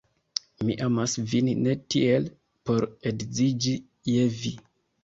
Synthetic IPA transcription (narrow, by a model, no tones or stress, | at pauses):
miʔamasvinnetiel | poɾedzid͡ʒi | jevi